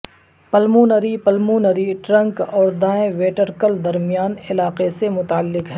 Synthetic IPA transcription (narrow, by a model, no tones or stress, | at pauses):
pəlmuːnəɾipəlmuːnəɾiʈɾɐ̃ŋkɔːɾd̪aːẽʋeːʈəɾkəld̪ɐɾmijaːnɪlaːqesemʊt̪aːəlːɪkɦɛ